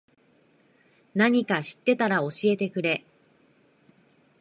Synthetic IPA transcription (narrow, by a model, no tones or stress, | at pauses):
naɲ̟ikaɕi̥t̪ːe̞t̪aɾao̞ɕie̞t̪e̞kɯ̟ɾe̞